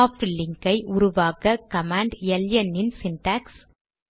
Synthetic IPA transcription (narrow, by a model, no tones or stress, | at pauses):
aːfɪlɪŋɡɐɪʔʊɾʊʋaːkɐkɐmaːɳɖjɛljɐnːɪnsɪnʈaːks